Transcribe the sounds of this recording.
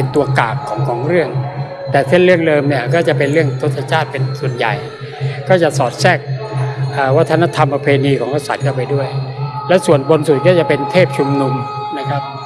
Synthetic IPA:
e˧nt̪u˧ɐka̰ː˨˩kʰːɔː˩˦ŋkʰɔː˩˦ŋɾɯ˥˩əŋ | t̪ɛː˨˩se˥˩nɾɯ˥˩əŋlɤː˧mni˥˩ɐkɔː˥˩t͡ɕa˨˩pe˧nɾɯ˥˩əŋt̪ʰo˦˥t̪ʰːa˧t͡ɕʰaː˥˩t̪̚pe˧nsu˨˩ənja̰˨˩j | kɔː˥˩t͡ɕa˨˩sɔː˨˩t̪̚sɛː˥˩k̚ʔəː˨˩wa˦˥t̪ʰːa˧na˧˥t̪ʰa˧mpɾa˧pʰeː˧niː˧kʰɔː˩˦ŋka˧˥˩sa˨˩t̪̚kɔː˥˩p̬a˧jdu˥˩əjlɛ˦˥su˨˩ənbo˧nsu˨˩t̪̚kɔː˥˩t͡ɕa˨˩pe˧nt̪ʰeː˥˩p̚t͡ɕʰu˧mnu˧m | na˦˥kʰɾa˦˥p̚

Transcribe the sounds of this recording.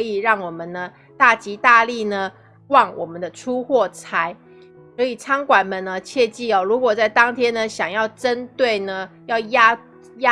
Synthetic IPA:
i˨˩ɻɑ˥˩ŋwɔ˨˩mə˦nnə˩ | t̪a˥˩t͡ɕi˧˥t̪a˥˧li˥˩nə˩ | wɑ˥˩ŋwɔ˨˩mə˨˦nd̪ə˦ʈ͡ʂʰu˦xwɔ˥˩t͡sʰa˧˥ɪ | swɔ˧˥i˨˩t͡sʰɑ˥ŋkwa˨˩nmə˨nnə˦t͡ɕʰjɛ˥˧t͡ɕi˥˩ɔ˨˩ɻu˧˥kwɔ˨˩t͡sa˥˩ɪt̪ɑ˥ŋt̪ʰjɛ˥nnə˨ɕjɑ˨˩ŋjɑ˥˩ʊʈ͡ʂə˦˥nt̪we˥˩ɪnə˩jɑ˥˩ʊja˥ | ja˦˥

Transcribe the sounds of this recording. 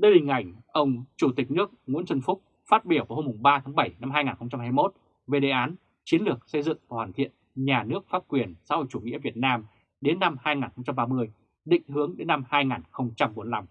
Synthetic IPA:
ɗəː˧jhï˨˩ŋ̟ʔa˧˩jŋ̟ʔə˧wŋ͡mt͡ɕu˧˩t̪ï˨˩k̟̚nɨ˦˥ək̚ŋṵ˧˥nt͡ɕə˧nfʊ˦˥k͡p̚ | faː˦˥t̚ɓi˧˩əwvaː˨˩ho˧mʊ˨˩ŋ͡mɓaː˧t̪ʰaː˨˦ŋɓə˧˩jna˧mɦaː˧jŋaː˨˩nxə˧wŋ͡mt͡ɕa˧mɦaː˧jmo˦˥t̚ | ve˨˩ɗḛ˨˩ʔaː˨˦n | t͡ɕi˨˦nlɨ˨˩ək̚sə˧jzɨ̰˧˨ŋvaː˧˩waː˧˩t̪ḭ˧˨ən | ɲaː˨˩nɨ˦˥ək̚faː˦˥p̚kwi˨˩ənsa̰ː˧˥ho̰˧˨jt͡ɕu˧˩ŋḭ˧˥əvi˨˩ət̚naː˧m | ɗe˨˦nːa˧mhaː˧jŋaː˨˩nxə˧wŋ͡mt͡ɕa˧mɓaː˧mɨ˧əj | ɗḭ̈˧˨ŋ̟ɦɨ˨˦əŋɗe˨˦nːa˧mhaː˧jŋaː˨˩nxə˧wŋ͡mt͡ɕa˧mɓo˨˦nla˧m

